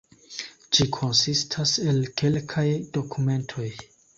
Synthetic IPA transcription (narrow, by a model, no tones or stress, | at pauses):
d͡ʒikʰo̞nsistʰase̞lke̞lkʰajdo̞kʰume̞ntʰo̞j